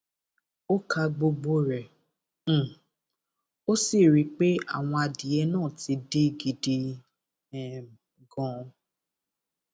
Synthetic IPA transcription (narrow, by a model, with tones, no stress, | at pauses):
o˦kʰa˧ɡ͡bo˧ɡ͡bo˧ɾɛ̃˨ | o˦si˦˨ɾi˨˧˦k͡pe˦a̰˦˨w̃ɔ̃˧a˧di˨ɛ˧˦nãː˦˨ti˧de˦ɡi˨de˧˨ | ɡɔ̃˨˧